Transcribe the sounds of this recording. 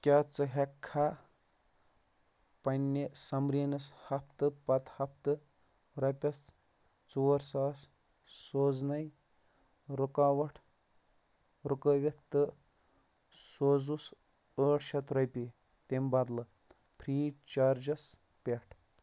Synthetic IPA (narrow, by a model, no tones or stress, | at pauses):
kʲaːt͡sɨɦɐkʰːa | pɐnʲːesɐmɾiːnɐshɐpʰt̪ɨpɐt̪hɐpʰt̪ɨ | ɾɐpʲɐs | t͡suɐɾsaːs | soːznɐj | ɾukaːʋɐʈʰ | ɾukəʋett̪ɨ | soːzus | əːʈʃɐt̪ɾɐpʲi | t̪embɐd̪lɨ | pʰɾiːt͡ʃaːɾd͡ʒɐs | pʲeʈʰ